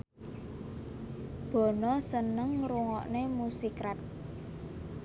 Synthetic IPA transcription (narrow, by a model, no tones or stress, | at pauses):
b̥ɔ̤nɔsənəŋɾuŋɔʔnemusikɾat̪̚